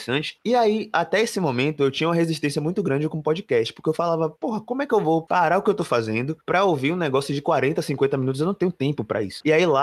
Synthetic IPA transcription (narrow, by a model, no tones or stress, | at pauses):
sɐ̃t͡ʃɪ̥iaiat̪ɛesɪmõmẽnt̪ʊewt͡ʃĩɲɐumɐɦeziʃt̪ẽsjɐmũj̃t̪ʊɡɾɐ̃d͡ʒɪkõʊpɔd͡ʒikɛʃt͡ʃɪ̥poʊɾkeewfalavɐpoɦɐkõmʊɛkɪewvowpaɾaʊkɪewt̪owfazẽnd̪ʊpɾɐowviɾũnɛɡɔsjʊd͡ʒɪkwaɾẽnt̪ɐsĩŋkwẽnt̪ɐminut̪ʊzewnɐ̃w̃t̪ẽɲũt̪ẽmpʊpɾʔɐ̰ḭsʊ̥iaila